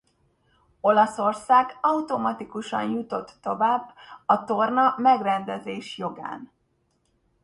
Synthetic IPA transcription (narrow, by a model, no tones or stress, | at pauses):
o̞lɒso̞rsaːɡɒwt̪o̞mɒt̪ikuʃɒ̰njut̪o̞t̪ːo̞vaːbːɒt̪o̞rnɒmɛɡrɛnd̪ɛzeːʃjo̞ɡa̰ːn